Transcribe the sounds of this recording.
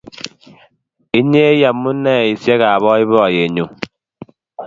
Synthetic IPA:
i˦ɲe˦ja˨mːu˦nɛ˦˨i˨sjɛ˦ɣa˨βɔ˦i˦βɔ˦˨je˨ɲo˨

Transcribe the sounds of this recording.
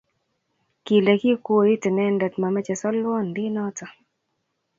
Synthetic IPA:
ki˨le˨ki˦kwo˦˨i˦tɪ˨nɛ˦ndɛ˨tma˨mɛ˦t͡ʃɛ˨sɔ˦lwɔ˦ndɪ˦nɔ˦tɔ˨

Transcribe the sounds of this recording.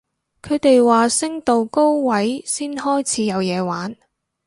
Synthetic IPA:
kʰɵ˨˧ɥt̪e˨jwaː˨˩sɪ˥ŋt̪o˨wko˥wwɐ˨˥jsiː˥nhɔː˥jt͡sʰiː˨˥jɐ˨˧wjɛː˨˧waː˨˥n

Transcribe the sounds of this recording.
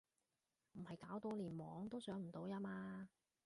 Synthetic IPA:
m̩˨˩hɐ˨jkaː˨˥wt̪o˧wliː˨˩nwɔː˨˧ŋt̪o˥wsœː˨˥ŋm̩˨˩t̪o˨˧wjaː˥maː˧

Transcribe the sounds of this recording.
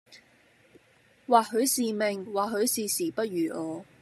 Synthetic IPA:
waː˨khɵ˨˧ɥsiː˨me˨˩ŋwaː˨ɦɵ˨˧ɥsiː˨siː˨˩pɐ˥t̚jyː˨˩ɔː˨˧

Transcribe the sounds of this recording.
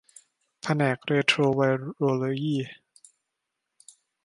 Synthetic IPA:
pʰa˧nɛː˨˩k̚ɾeː˧t̪ʰɾoː˧wa˧jɾoː˧lo˧jiː˥˩˨

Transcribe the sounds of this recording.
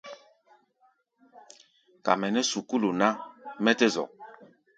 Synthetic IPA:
ka̰˨mɛ˨nɛ˦su˨ku˦lo˨na˦mɛ˦tɛ˦zɔ̰˨

